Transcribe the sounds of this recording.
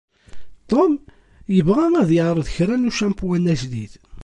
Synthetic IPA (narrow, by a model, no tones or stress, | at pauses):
t̪ˤom | jəvʁæŋæðjəʕɾˤəðçɾænuʃæmpwænæʒlið